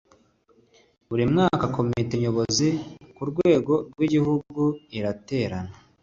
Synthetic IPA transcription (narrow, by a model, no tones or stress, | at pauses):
βuɾimŋaːkako̞miteɲo̞βozikuɾɡwe̞ːɡo̞ɾɡwiɟiɦuɡuiɾate̞ːɾana